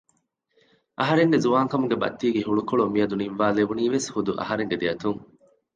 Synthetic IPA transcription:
ʔɐɦɐɾeŋɡezuʋaːŋkɐmuɡebɐ̰t̪ːiːɡeɦuɭukoɭomijɐd̪uninʋaːleʋuniːʋeshud̪uʔɐ̰ɦɐɾeŋɡed̪eɐt̪uŋ

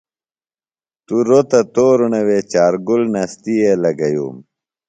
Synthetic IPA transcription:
t̪uɾot̪ɐt̪oːɾunɐwet͡ɕaːɾɡulnɐst̪ielɐɡɐjṵːm

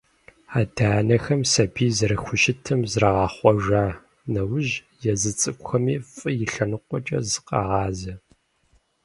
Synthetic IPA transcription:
aːdaːnɐxɐmsɐbiːzɐɾɨxʷʊʃɪtʰɨmzrɐʁɑːχʷɔʒaː | nɐwʊʒ | jɛzɨt͡sʼɨkʷxɐmiːfʼɨjɪɬɐnɨqʷʼɔt͡ʃʼɐ̰zɨqɑ̰ʁɑːzɐ

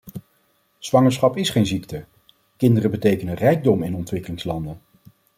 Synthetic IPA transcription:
z̥ʋɑŋəɹsχɑpɪsχejnziktə | kɪndərəbətejkənərɛjɡ̚dɔmɪnɔntʋɪkəlɪŋslɑndən

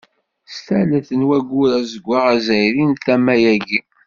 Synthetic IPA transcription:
st̪æləθənwæɡʷːuɾæzəɡʷːaʁæzæjɾinθæmːæjæɡi

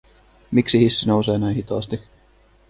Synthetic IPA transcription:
miksihisːinowse̞ːnæjnhit̪ɑːst̪i

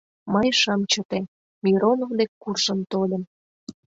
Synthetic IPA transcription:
məjʃɑmt͡ɕə̆t̪e | mʲiɾonovd̪ekːurʒəmt̪olʲə̆m

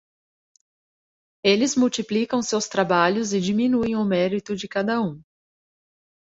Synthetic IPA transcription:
elɪzmuwt͡ʃiplikɐ̃w̃sewst̪ɾabaʎʊzɪd͡ʒimĩnuẽj̃ʊmɛɾit̪ʊd͡ʒɪkad̪ɐũ

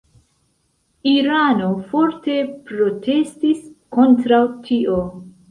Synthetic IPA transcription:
iɾano̞fo̞ɾte̞pɾo̞te̞stisko̞ntɾawtʰiʔo

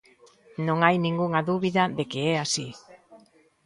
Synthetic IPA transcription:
nõŋajnĩŋɡuŋaðuβiðaðekeɛasi

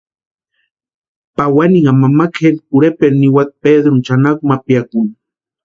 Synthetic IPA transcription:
pawaniŋamamakelkʊɾepeɾniwat̪̚ped̪ɾʊnt͡ʃanakumapjakʊŋ

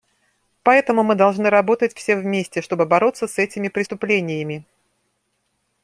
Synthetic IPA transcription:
pɐɛt̪əmʊmɨd̪ɐlˠʐnɨɾɐbo̞t̪ətʲfsʲevmʲesʲtʲɪʂt̪o̞bɨbɐɾo̞t̪səsɛtʲɪmʲɪpɾʲɪst̪ʊplʲenʲɪjəmʲɪ

